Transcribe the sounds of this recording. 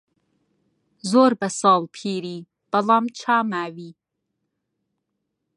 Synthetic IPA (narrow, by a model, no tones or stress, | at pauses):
zoːɾbɐsɑːlˠpʰiːɾiː | b̥ɐlɑːmt͡ʃʰaːmaːwiː